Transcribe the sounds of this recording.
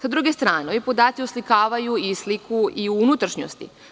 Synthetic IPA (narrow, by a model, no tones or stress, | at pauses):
sad̪ɾuɡest̪ɾaːnoipo̞d̪aːt̪sioslikaːʋajuislikuʔiuunut̪ɾaʃɲo̰st̪ḭ